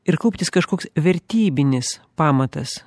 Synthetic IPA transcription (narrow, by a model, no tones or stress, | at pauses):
ɪɾkɐʊpʲt̪ʲɪskɐʃkoːksʋʲɛɾʲt̪ʲiːbʲɪnʲɪspɑːmɐt̪ɐs